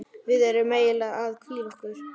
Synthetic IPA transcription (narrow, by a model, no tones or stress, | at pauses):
vɪðɛɾʏmːeːjɪlaaðkʰviːɾɔhkʏɾ̥